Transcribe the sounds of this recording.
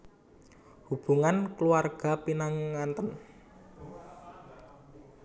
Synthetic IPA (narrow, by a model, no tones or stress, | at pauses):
hub̥ṳŋankluarɡ̥a̤pinaŋːant̪ən